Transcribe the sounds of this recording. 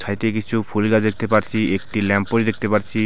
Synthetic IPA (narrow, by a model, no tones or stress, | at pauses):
t͡ɕʰajt̪ek̬it͡ɕʰufʰulɡad͡ʑd̪ek̚ʰt̪epaɾt͡ɕʰiek̚ʈilɛmpoʃd̪ek̚t̪epaɾt͡ɕʰi